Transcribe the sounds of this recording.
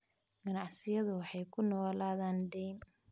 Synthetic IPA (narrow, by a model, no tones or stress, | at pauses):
ɡ̥ɐnɑʕsɪjɐðʊwɑħɑjkʰʊnɔːlaːðaːnɖɛjn